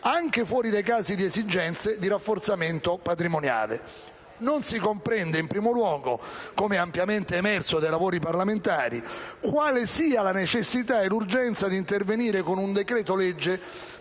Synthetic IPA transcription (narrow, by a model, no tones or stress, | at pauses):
aŋk̟efwɔːɾid̪ejkaːzid̪iezid͡ʒɛnt̪sed̪iɾafːort̪sament̪opat̪ɾimonja̰ːlḛ | nonsikompɾɛnd̪eimpɾiːmolwɔːɡo̰komɛampjament̪eːmɛrsod̪ejlavoːɾiparlament̪aːɾḭkwaːlesiːalanet͡ʃesːit̪aɛlurd͡ʒɛnt̪sad̪int̪erveniːɾekonund̪ekɾɛːt̪olɛd͡ʒːe